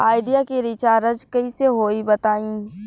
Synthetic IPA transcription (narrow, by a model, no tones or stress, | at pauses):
aːɪɖijakiɾɪt͡ʃaːɾəd͡ʒkɐiseɦoːibɐt̪aːĩː